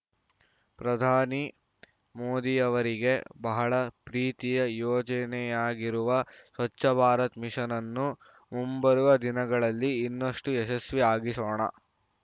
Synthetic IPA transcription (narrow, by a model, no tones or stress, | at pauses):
pɾɐd̪ʱaːni | moːd̪ijɐʋɐɾiɡe̞bɐɦɐɭɐpɾiːt̪ijɐjɔːd͡ʒɐnɛjaːɡiɾuʋɐsʋɐt͡ʃːɐbʱaːɾɐt̪miʂɐnɐnːu | mumbɐɾuʋɐd̪inɐɡɐɭɐlːiːnːɐʂʈuɛʃɐsʋiaːɡisoːɳɐ̰